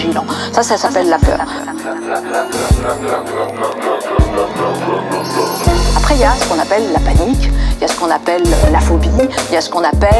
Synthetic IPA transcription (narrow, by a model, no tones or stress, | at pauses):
ʒilɑ̃sasasapɛlːapœ̰ːʁ | apχɛiljasə̥kɔ̃napɛlːapanikljasə̥kɔ̃napɛl̰lafobiljasə̥kɔ̃napɛ